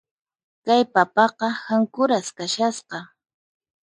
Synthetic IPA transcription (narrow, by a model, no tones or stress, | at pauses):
kajpapɑqɑhaŋkʊɾaskaʃasqɑ